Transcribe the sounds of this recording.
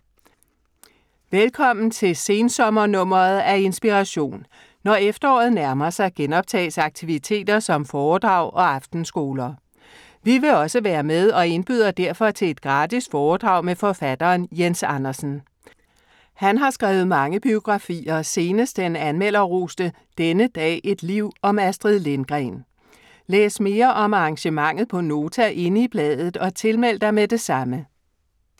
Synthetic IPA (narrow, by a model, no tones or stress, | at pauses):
ʋelkʰɒ̽m̰n̩t͡sʰe̝se̝ːnsɒ̽mɐnɔ̽m̰ɐð̩ˠæe̝nsb̥iʁɑɕo̝̰ːnː | ɒefd̥ɐɒ̰ːð̞̩ˠnæɐmɐsɑ̈ɪɡ̥enɒ̽b̥̚t͡sʰɛ̰ːsɑ̈ɡ̥̚t͡sʰiʋit͡sʰe̝̰ːd̥ɐsɒ̽mfɒːd̥ʁɑ̈ʊ̰ʔɒ̽ɑ̈fd̥n̩sɡ̥o̝ːlɐ | ʋiʋe̝ɒ̽səʋæːɐmeð̞ˠɒ̽e̝nb̥yð̞ˠɐd̥æɐ̰fɒ̽t͡sʰe̝le̝d̥ɡ̥ʁɑ̈d̥isd̥fɒːd̥ʁɑ̈ʊ̰mefɒ̽fæd̥ɐːnjensɑ̈nɐsn̩ | hænɦɑ̈sɡ̥ʁaːʊð̞̩ˠmɑ̈ŋəb̥io̝ɡ̥ʁɑ̈fḭːɐse̝ːnəsd̥enænmel̰ɐʁuːsd̥ə | d̥enəd̥ɛ̰ːʔe̝d̥liʊ̰ɒ̽mæsd̥ʁiðˠle̝nɡ̥ʁɛn | lḛːsme̝ːɐʔɒ̽mɑ̈ɑ̈ŋɕəmɑ̈ŋ̰ð̞̩ˠpʰɒ̽no̝ːt͡sʰæʔe̝nəib̥lɛːðˠð̩ˠɒ̽t͡sʰe̝lmel̰d̥ɐmed̥e̝sɑ̈mə